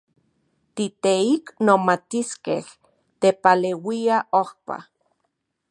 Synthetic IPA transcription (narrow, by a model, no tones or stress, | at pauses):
t̪it̪eiknomat̪iskḛh | t̪epalewiaʔohpa̰